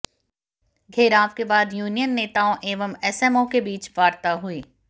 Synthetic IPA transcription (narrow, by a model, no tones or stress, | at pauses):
ɡʱeːɾaːʋkebaːd̪juːnijənːeːt̪aːõʔeːʋəmɛsɛmõkebiːt͡ʃʋaːɾt̪aɦʊiː